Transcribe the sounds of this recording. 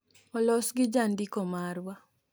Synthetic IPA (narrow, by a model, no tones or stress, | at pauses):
mɔlɔsɡɪd͡ʒandikɔmaɾwa